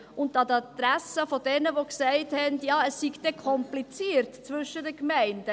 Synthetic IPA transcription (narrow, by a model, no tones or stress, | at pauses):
ʊndɑdəɑt̪ɾæsəfodɛnəvoksɛɪthɛndjɑːəsːiɡd̥̪ɛkʰɔmplit͡siːɾtt͡svʏʃədəkmɛɪnd̥ə